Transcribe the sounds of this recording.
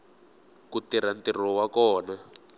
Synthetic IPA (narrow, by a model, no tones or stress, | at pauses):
kutiɾantir̤ɔwakɔːna